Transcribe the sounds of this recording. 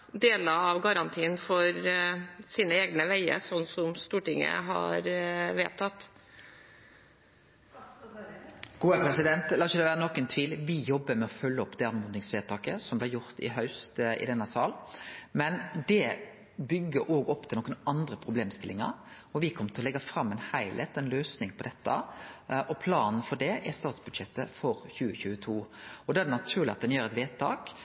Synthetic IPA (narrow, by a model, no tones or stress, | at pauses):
d̪eːləɾɑʋɡɑɾɑnt̪ʰiːnfɔɾ | siːnəeːɡnəʋæɪə̰ɾsɔnːsɔmst̪uːʈɪŋːə̰ɦɑ̰ɾʋeːt̪ʰɑt̪ː | ɡ̥uːəpʁɛsɪd̪ɛnt̪lɑːçəd̪ɛʋæːʁənɔkːɛnt̪ʰʋiːlʋɪjɔbːəmɛɔfœlːəɔpːd̪ɛɑnmuːd̪ɪŋsʋeːt̪ʰɑːkəsɔmb̪ɛjʊɾt̪ɪ̰ɦɑʉst̪ɪ̰d̪ɛnːɑsɑːlmɛnd̪ɛ | bʏɡːəɾʔoːɡɔpːt̪ʰɪlɔːkːənɑnd̪ɾəpʰɾʊbleːmst̪ɪlːɪŋɑ̰ɾ | ɔʋɪkʰɔmːət̪ʰɪɔlɛɡːɑfɾɑmːɛnhæɪlʔɛ̰t̪ːɛnløːsnɪŋpʰɔd̪ɛt̪ʰːɑ̰ʔɔpʰlɑːnn̩fɔɖɛʔɛst̪ɑːt̪sbʉd̪ʃɛt̪ːəfɔɾçʉːəçʉːət̪ʰuːɔd̪ɛædɖ̪ɛnɑt̪ʰʉːʁlɪɑt̪̚d̪ɛnjøːɾɛt̪ʋeːt̪ʰɑ̰ːk